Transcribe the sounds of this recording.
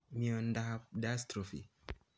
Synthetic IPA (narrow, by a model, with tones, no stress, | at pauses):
mi˦ɔ˨ndaha˦p̚da˦stɾo˨fḭ˨